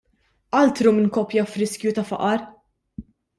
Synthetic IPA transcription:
ʔɐlt̪ɾumɪnkɔpjɐfɾɪskjut̪ɐfɐ̰ʔɐɾ

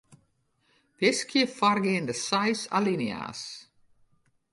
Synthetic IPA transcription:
pjɛskʰiəfarɡeːndəsajsa̰linja̰ːs

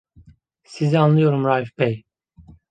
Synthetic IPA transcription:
sizianlˠɯjo̞ɾumɾajifbɛj

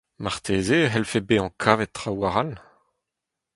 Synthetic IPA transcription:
maʁt̪ʰeːzeɦɛlfebeɑ̃kʰaːvɛt̚ːʁawaʁal

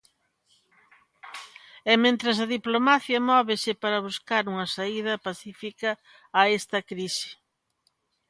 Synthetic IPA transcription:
ɛmẽnt̪ɾɐs̬ɐðiplomaθjɐmɔβɪsɪpaɾɐβ̞uskaɾuŋɐsaiðɐpaθifikɐː | ɛst̪ɐkɾisɪ̥

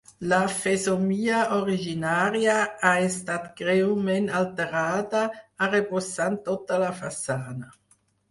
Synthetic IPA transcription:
lafezomiːaoɾiʒinaːɾjaaest̪at̪ɡ̥ɾewmenalt̪eɾaːd̪aːɾeposant̪ot̪alafasaːna

